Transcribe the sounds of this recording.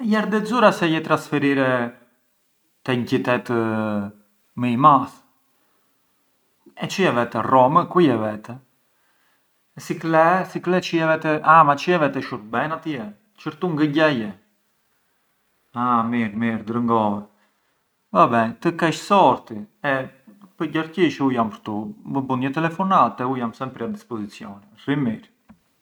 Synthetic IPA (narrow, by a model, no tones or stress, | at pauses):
jaɾd̪ɛzuɾasɛjɛt̪ɾansfɛɾiɾɛ | t̪ɛɲcit̪ɛt̪ | məimas | ɛt͡ʃiɛvɛt̪ɛrɔməkwiɛvɛt̪ɛ | ɛsiklɛsiklɛt͡ʃiɛvɛt̪ɛʔamat͡ʃiɛvɛt̪ɛʃuɾ̚bɛnat̪iɛ | t͡ʃəɾt̪uŋɡəɟajɛ | amiɾmiɾd̪ɾəŋɡɔvɛ | vabɛnt̪əkɛʃsɔɾt̪iɛpəɟaɾciʃujampəɾt̪uəbunɛt̪ɛlɛfɔnat̪ɛujamsɛmpɾiad̪ispɔzit͡sjɔ̰nɛrimiɾ